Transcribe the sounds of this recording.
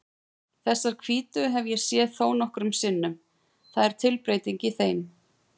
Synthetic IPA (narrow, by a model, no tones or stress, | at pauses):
θɛsːaɾ̥kʰviːt̪ʏɦɛvjɛsjɛːðθoːwnɔhkɾʏmsɪnːʏm | θaðɛɾ̥t̪ʰɪlpɾeːjt̪iɲcɪθejm